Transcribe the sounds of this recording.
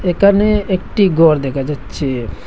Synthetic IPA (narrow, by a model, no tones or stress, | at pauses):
ekʰaneek̚ʈiɡɔɾd̪ɛkʰad͡ʑatːɕʰe